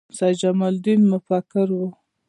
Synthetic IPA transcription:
sad͡ʒamald̪imːʊfakɪɾwu

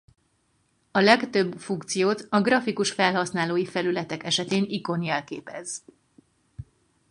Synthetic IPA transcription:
ɒlɛkt̪ø̞bːfuŋkt̪sijoːt̪ɒɡrɒfikuʃfɛlɦɒsnaːloːjifɛlylɛt̪ɛkɛʃɛt̪eːniko̞njɛlkḛːpɛz

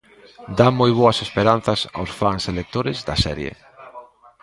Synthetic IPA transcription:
d̪amojβ̞oɐsespeɾan̟θɐsa̰wsfaŋselek̚t̪oɾɪzd̪ɐsɛ̰ɾjḛ

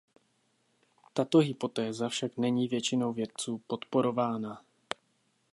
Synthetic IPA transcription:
t̪at̪o̞ɦɪpo̞t̪ɛːzafʃaknɛɲiːvjɛt͡ʃɪno̞wvjɛt̪̚t͡suːpo̞t̪po̞ɾo̞vaːna

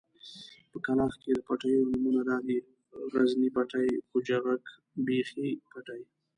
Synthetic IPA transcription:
pəkalɑxked̪əpaʈajonʊmunad̪ɑd̪i | ɾaznipaʈajxod͡ʒaɣak | bexipaʈaj

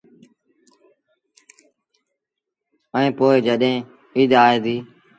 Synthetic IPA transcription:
əĩːpoːɪd͡ʒəɗɦẽː | iːd̪ʱaːeːd̪iː

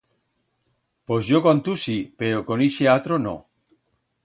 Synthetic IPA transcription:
pozjokant̪usipeɾokoniʃeat̪ɾono̰

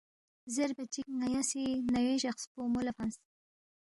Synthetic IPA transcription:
zeɾbat͡ʃik̚najasinaweʃaxspomolafans

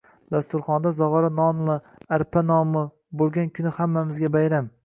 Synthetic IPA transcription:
d̪̥ast̪ʊɾχɒnd̪azɒʁɒɾanɒnla | aɾpʰanɒmɪ | bolˠɡʲankʲʰʊnɪhamːamɪzɡʲabajɾam

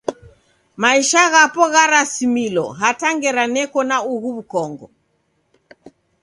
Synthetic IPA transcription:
maiʃaɣapɔɣaɾasimilɔ̰ɦataŋɡɛɾanɛkɔnauɣuβukɔŋɡɔ

